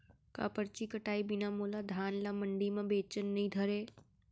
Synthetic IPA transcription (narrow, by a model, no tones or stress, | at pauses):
ka̰ːpəɾt͡ʃikəʈaːibɪnamoːlad̪ʱaːnlamɐ̃ɳɖimãbeːt͡ʃənːɐɦĩd̪ʱəɾeː